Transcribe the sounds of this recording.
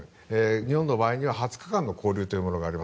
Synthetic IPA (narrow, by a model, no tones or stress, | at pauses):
eɲ̟ihõ̞nːo̞baːiɲ̟iβahat͡sɨ̥kḁkãnːo̞kʰo̞ːɾʲɨːt̪o̞jɯ̟mo̞no̞ɡaːɾʲima